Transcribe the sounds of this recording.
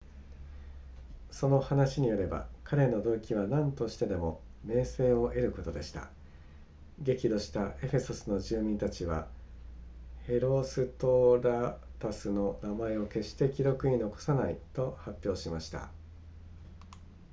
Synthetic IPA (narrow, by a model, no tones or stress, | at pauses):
so̞no̞hanaɕiɲ̟ijo̞ɾe̞ba̰kʰaɾe̞no̞d̪o̞kʲiβanãnt̪o̞ɕi̥t̪e̞d̪e̞mo̞ | me̞ːse̞ːo̞ʔe̞ɾɯ̟ko̞t̪o̞d̪e̞ɕi̥t̪a̰ | ɡe̞kʲid̪o̞ɕi̥t̪aʔe̞ɸe̞so̞sɨno̞ʑɨːmʲĩnt̪at͡ɕiβa̰ | he̞ɾo̞sɨt̪o̞ɾat̪asɨno̞namae̞o̞ke̞ɕi̥t̪e̞kʲiɾo̞kɯ̟ino̞ko̞̥sanait̪o̞hapʲːjo̞ːɕimaɕi̥t̪a̰